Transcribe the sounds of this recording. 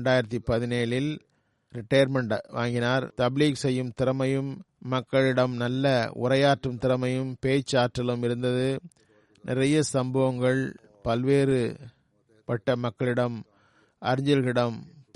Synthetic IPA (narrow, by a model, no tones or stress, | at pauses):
ɳɖaːjɪɾɐt̪̬ːipɐðɪneːlɪl | ɾɪʈːɐjɐɾmɛɳɖʋa̰ːŋɡɪnaːɾt̪ɐbliːksɛjːɯmt̪ɪɾɐmɐjɯmːɐkːɐɭɪɽɐmnɐlːɐʊ̰rɐjaːʈrɯmt̪ɪɾɐmɐjɯmpeːt͡ʃːaːʈrɐlɯmɪɾɯnd̪ɐðɯ | nʔɪrɐjɐsɐmbɐʋɐŋɡɐɭ | pɐlʋeːɾɯ | pɐʈːɐmɐkːɐɭɪɽɐm | ʔɐɾɪɲd͡ʒɐlɣɪɽɐm